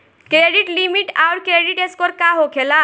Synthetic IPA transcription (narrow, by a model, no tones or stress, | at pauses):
kɾeɖiʈlimiʈaʊɾkɾeɖiʈeskɔɾkaɦokʰela